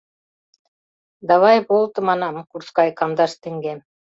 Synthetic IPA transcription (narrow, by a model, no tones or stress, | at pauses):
d̪ɑβɑjbolˠt̪ɤmɑnɑmkuɾskɑjkɑmd̪ɑʃt̪eŋɡem